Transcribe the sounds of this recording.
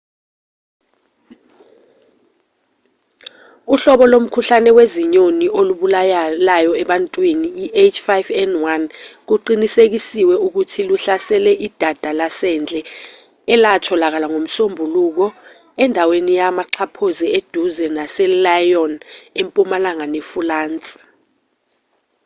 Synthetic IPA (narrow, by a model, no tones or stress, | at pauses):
uɬɔɓɔlom̩kʰuɬanɛweziɲoniʔoluɓulajlajɔɛɓantʼwiniiʔet͡ʃʼfajfɛndwank̬uǃinisek̬isiwɛuk̬utʰiluɬasɛlɛʔid̥ʱad̥ʱalasɛnd͡ɮʱʼɛ | ɛlatʰɔlak̬alaŋom̩sombʱuluk̬ɔ | ɛndʱawenijamaǁʰapʰozied̥ʱuzɛnasɛlajɔnempʼumalaŋanɛfulaːnt͡sʼ